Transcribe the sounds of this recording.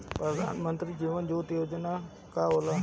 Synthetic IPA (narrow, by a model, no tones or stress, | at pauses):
pɾəd̪ʱa̰ːnmə̃nt̪ɾid͡ʑiːʋənd͡ʒoːt̪ijoːd͡ʒənaː | kaoːlaː